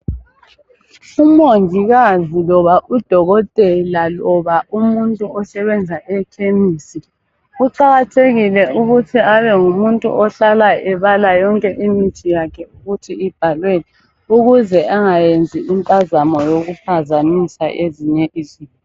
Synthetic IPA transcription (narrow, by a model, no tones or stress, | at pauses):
umoŋʱiɣazilɔβaʔud̥ʱɔɣɔtʼɛlalɔβaʔumuntʼuɔsɛβɛnd͡zʱaʔɛkʰemiːsi | uǃaɣatʰeɣilɛuɣutʰiaβɛŋumuntʼṵʔɔɬalaɛβalajɔŋkʼɛʔimitʰijakʰɛuɣutʰiib̥ʱalweni | uɣuzɛʔaŋajend͡zʱiʔimpʼazamɔjoɣupʰazanisa̰ʔeziɲɛʔiːziːn